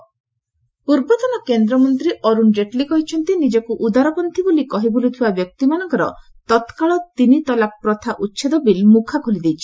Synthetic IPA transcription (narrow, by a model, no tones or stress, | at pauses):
puɾbɔt̪ɔnɔkend̪ɾɔmɔnt̪ɾiʔɔɾunɾeʈlikɔɦit͡ʃʰɔnt̪inid͡ʒɔkuʔud̪aɾɔpɔnt̪ʰibulikɔɦibulit̪ʰibabjɔk̚t̪imanɔŋkɔɾɔ̰ | t̪ɔt̪kaɭɔt̪init̪ɔlapːɾɔt̪ʰaʔutːʃʰed̪ɔbilmukʰakʰolid̪ejt͡ʃʰi̥